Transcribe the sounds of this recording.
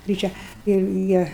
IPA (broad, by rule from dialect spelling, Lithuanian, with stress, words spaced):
ɡrʲiːˈt͡ʃʲɛ ɪr ˈjiɛ